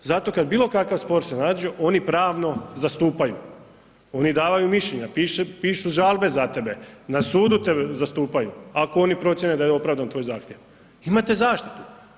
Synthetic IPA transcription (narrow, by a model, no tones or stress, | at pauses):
zat̪o̞kad̪̚biːlo̞kakaʋspo̞ɾsenaːd̪d͡ʒioʔo̞nipɾaːʋno̞zast̪uːpajṵ | o̞nid̪aːʋajumiʃʎeɲapiːʃepiːʃuʒaːlˠbe̞zat̪e̞benasuːd̪ut̪ebezast̪uːpajuakoo̞nipɾo̞t̪sʲjened̪ajo̞pɾaːʋd̪ant̪ʋo̞jzaːxt̪jeʋ | imat̪ezaːʃt̪i̥t̪u̥